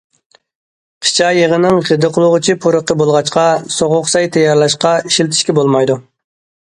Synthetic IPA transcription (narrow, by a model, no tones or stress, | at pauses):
qʰi̥t͡ʃʰɑjeʁənɨŋʁəd̪ɨqʰəlˠʊʁɨt͡ʃʰipʰuɾəqːəbolˠʁɑt͡ʃqɑsoʁʊqsɑjt̪ʰɛjːɑɾlˠɑʃqɑiʃilt̪ʰɪʃkʲɛbolˠmɑjd̪u